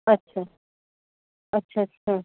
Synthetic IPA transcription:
ɐtːɕʰa | ɐtːʃʰaətɕʰa

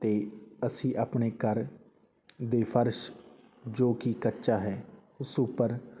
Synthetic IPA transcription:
t̪eːəsĩːʔəpneːkəɾ | d̪eːpʰəɾʃ | d͡ʒoːkikətːʃaːɦɛː | ʊsupːəɾ

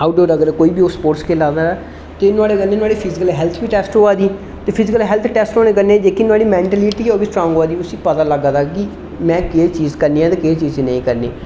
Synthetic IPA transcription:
aːuɖoːɾəɡəɾkoːiːbiːospoːʈskʰeːlãːnd̪aːaː | t̪eːnʊaːɽeːkənẽːnʊaːɽiːpʰɪzɪkəlɦɛːlt̪ʰbiːʈɛːsʈɦoːaːd̪iː | t̪eːpʰɪzɪkəlɦɛːlt̪ʰʈɛːsʈɦoːnẽːk̬əɾneːd͡ʒeːkiːnʊaːɽiːmɛ̃ːɳʈəliːʈiːoːbiːsʈɾõːŋɡoaːd̪iːʊsĩːpət̪aːləɡaːd̪aːki | mɛ̃ːkeːt͡ʃiːzkəɾniːãːt̪eːkeːt͡ʃiːzẽːnə̰̃ĩːkəɾnḛː

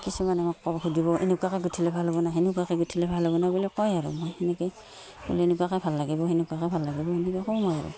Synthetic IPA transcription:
kisumanamakːɔbɔhudiβɔʔḭnukakɛɡutʰilɛbʱalbɔnaɦinukakɛɡutʰilɛbʱalabɔnabulikɔjaɹṵmɔjhɛnɛkɛ | bṵlienukakɛbʱalːaɡibɔɦinukakɛbʱalːaɡibɔhinikɛkɔwmɔjaɹṵ

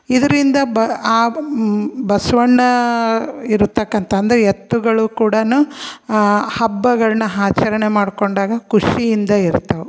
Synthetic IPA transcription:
id̪ɐɾind̪ɐbaː | bɐsʋɐɳːɐ | iɾut̪ːɐkːɐnt̪ʰɐːnd̪ɐɾɛet̪ːuɡɐɭukuːɽɐnu | hɐbːɐɡɐɭɐnɐɦaːt͡ʃɐɾɐɳemaːɽko̞ɳɖaːɡɐkuʂijind̪ɐiɾt̪ːɐʋu

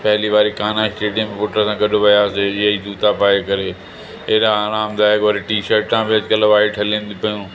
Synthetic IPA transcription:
pɛɦliːʋaːɾikaːnãsʈeːɖijə̃mẽpʊʈɾsãːkəɖõbɐjaːsejeid̪uːt̪apaːekəɾeː | eːɾaːɾaːmd̪aːjkoːɾeʈiːʃəɾʈãːbeɐd͡ʒkəlɐʋaːiʈʰəlẽːnd̪ipəjũː

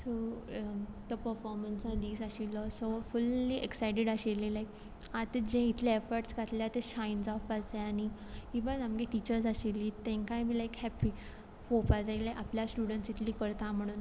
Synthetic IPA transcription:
so | t̪ɔpəɾfɔɾmənsad̪iːsaɕilɔsofulːiʔeksajʈeɽaɕelilajk | at̪d͡ʑẽit̪ʰleefəɾʈsɡʱat̪ljat̪eɕajnd͡zɔfad͡zeani | hibəd͡zamɡeʈit͡ɕəɾs̬aɕelːiːt̪ẽŋkãjbʱilajkhɛpi | hopad͡zailajapljasʈuɽəɳʈsit̪ʰliːkəɾt̪am̤əɽ̃uːn

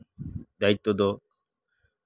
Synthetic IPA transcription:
d̪ait̪ːod̪ɔ

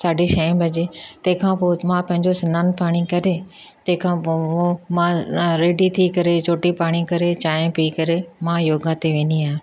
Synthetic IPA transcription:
saːɖeʃɐ̃bɐd͡ʑet̪ɐ̃ɦɪ̃kʰãpoːmãpɐ̃ɦɪ̃ɲd͡ʑosɪnaːnpaːɽ̃ikɐɾe | t̪ɐ̃ɦɪ̃kʰãːpoomãɾeːɖit̪ʰikɐɾet͡ɕoːʈipaːɽ̃ikɐɾet͡ɕaːjẽpiːkɐɾemãjoːɡat̪eʋẽːnd̪iaːɦe

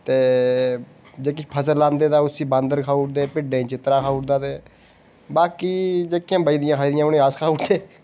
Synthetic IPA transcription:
t̪eː | d͡ʒeːk̬ɪpʰəsəlãːnd̪eːt̪aːʊsiːbãːnd̪əɾkʰaːʊːʈd̪eːpɪɖeːt͡ʃɪt̪ɾaːkʰaːʊːʈd̪aːt̪eː | baːkiːd͡ʒeːkɪãːbəid̪ɪjãːkʰaːiːd̪ɪjãːʊnẽːaskʰaːuːʈd̪eː

